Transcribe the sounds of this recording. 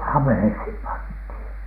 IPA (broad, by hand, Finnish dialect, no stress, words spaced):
ɑmˑĕheishim pɑnthiˑn